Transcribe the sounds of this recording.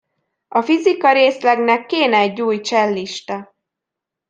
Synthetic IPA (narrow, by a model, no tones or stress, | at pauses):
ɒfizikɒɾeːslɛɡnɛkːeːnɛɛɟːuːjt͡ʃɛlːiʃt̪ɒ